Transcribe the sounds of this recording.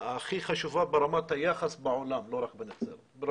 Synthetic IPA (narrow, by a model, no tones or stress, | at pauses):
axiːxaʃufabɪɾˤɑmat̪ajaxasˤbɪʕʊlaːmloɾˤɑkbɪnɪt̪sḭɾ | bɾ